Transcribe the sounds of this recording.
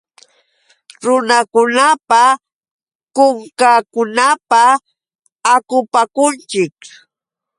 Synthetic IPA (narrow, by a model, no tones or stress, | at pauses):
ɾʊnakʊnapa | kʊŋkakʊnapaː | kʊpakʊnt͡ʃɪk